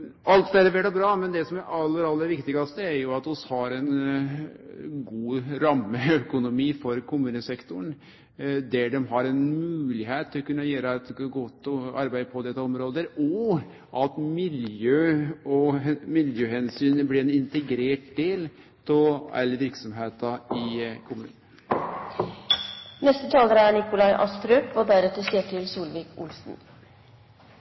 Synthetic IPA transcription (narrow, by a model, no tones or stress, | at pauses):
ɑlt̪d̪ælɛʋeːʈɔbɾɑːmɛnd̪ɛsɔmæɾʔɑlːəɾɑlːəɾʋɪkt̪ɪɡɑst̪əæɾjʊɑt̪ɔshɑɾɛn | ɡuːɾɑmːəœkʊnʊmiːfɔɾkʰʊmʉːnəsɛkt̪ʊɳ | d̪æɖɛmɦɑɾɛnmʉːlɪɦeːt̪ʰːɪlɔkʉnːɑjøːɾəɛt̪ɡɔt̪ːɔɑɾbæɪd̪pʰɔd̪ɛt̪ːɑɔmɾoːd̪əɾɔ | ʔɑt̪mɪljøːɔmɪljøːhɛnsyːnəblɪɛnɪnt̪əɡɾeːʈ̚d̪eːl | t̪ʰɔɛ̰lːəɾʋɪɾksɔmɦeːt̪ɑɪkʰʊmʉ̰ːn | nɛst̪ət̪ʰɑːləɾəæɳɪkʊlɑɪʔɑ̰st̪ɾœːpɔd̪æɾɛt̪ːəseːʈʰɪlsuːlʋɪːkʰʊlsn̩